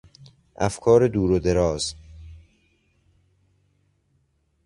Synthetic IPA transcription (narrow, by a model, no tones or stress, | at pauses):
ʔæfkʰɒːɾed̪uːɾod̪eɾɒːz̥